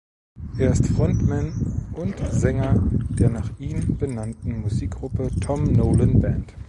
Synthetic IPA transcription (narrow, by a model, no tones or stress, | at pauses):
ʔeːɐɪstfʁ̥ɔntmɛnʔʊntzɛŋɐd̥eːɐnaːχʔiːnb̥ənantn̩muziːk̚ɡ̥ʁʊpətʰɔmnoːlənbɛnt